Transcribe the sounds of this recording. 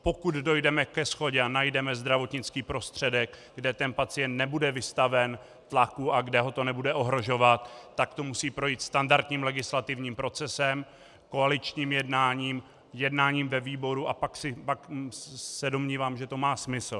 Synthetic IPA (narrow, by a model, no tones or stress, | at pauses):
po̞kud̪do̞jdɛmɛkɛsxo̞ɟɛanajdɛmɛzd̪ɾavo̞t̪ɲɪt͡skiːpɾo̞st̪r̝̥ɛdɛɡ | ɡdɛt̪ɛnpat͡sɪjɛnt̪nɛbudɛvɪst̪avɛn | t̪lakuʔaɡdɛɦo̞t̪o̞nɛbudɛʔo̞ɦɾo̞ʒo̞vat̪ːakt̪o̞musiːpɾo̞jiːt̪st̪andaɾt̪ɲiːmlɛɡɪslat̪ɪvɲiːmpɾo̞t͡sɛsɛm | ko̞alɪt͡ʃɲiːmjɛdnaːɲiːm | jɛdnaːɲiːmvɛviːbo̞ɾuapaksɪpaksɛdo̞mɲiːvaːmʒɛt̪o̞maːsmɪsl̩